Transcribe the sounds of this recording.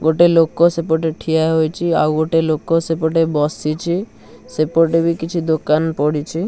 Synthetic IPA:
ɡoʈelokːosepoʈeʈʰijaɦojt͡ʃʰia̰wɡoʈelokːosepoʈebɔsit͡ʃʰi | sepoɾʈebikit͡ʃʰid̪okanpɔɽit͡ʃʰi

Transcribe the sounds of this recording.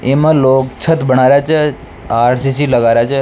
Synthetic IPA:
emãlokt͡ʃʰət̪bəɽ̃aɾjat͡ʃʰe | aɾsisiləɡaɾjat͡ʃʰe

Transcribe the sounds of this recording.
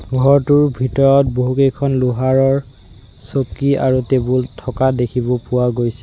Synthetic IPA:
ɡʱɔɹtuɹbʱitɔɹɔt̚boɦukejkʰɔnlʊɦaɹɔɹ | sokia̰ɹutebultʰɔkadekʰibɔpʊwaɡojsɛ

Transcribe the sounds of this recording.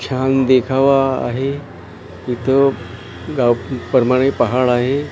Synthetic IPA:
kʰand̪ekʰaʋa̰ːɦe | it̪ʰə | ɡawpəɾmaɽ̃epəɦaɭaɦe

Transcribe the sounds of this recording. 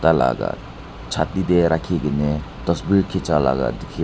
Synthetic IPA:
tala̰ɡa̰t̪ | t͡ʃʰat̪id̪eɾakʰiɡinet̪ɔsbiɾkʰit͡ʃala̰ɡa̰d̪ikʰi

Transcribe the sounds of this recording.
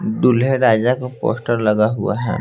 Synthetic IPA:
ɖʊlɦeɾaːd͡ʒakapo̰ːsʈəɾləɡaɦua̰ɦɛ̰

